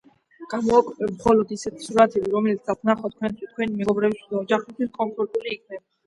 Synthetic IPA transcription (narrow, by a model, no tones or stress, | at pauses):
ɡ̥amɔakʼwɛpʼɛmχɔlɔd̪isɛt̪ʰi̥suɾat̪ʰɛbiɾɔmɛlit̪sd̪asʰnaχɔt̪̚kʰwɛnt̪ʰwist̪̚kʰwɛnimɛɡɔbɾɛbisʰid̪aɔd͡ʒaχɛst̪ʰwiskʼɔnpʰɔɾt̪ʼuliːkʰnɛba